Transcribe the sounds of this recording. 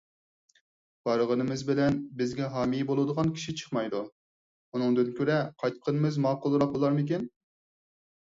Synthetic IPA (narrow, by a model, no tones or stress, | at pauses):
b̥ɑɾəʁənɨmɨzbɪlɛnbɪzɡʲɛɦɑːmijibolˠud̪əʁɑnkʲʰi̥ʃit͡ʃʰə̥χmɑjd̪u | unɨŋd̪ɨnkʲʰøɾɛqʰɑjt̪qʰənɨmɨzmɑːqʊlˠɾɑq̚bolˠɑɾmɪkʲɛn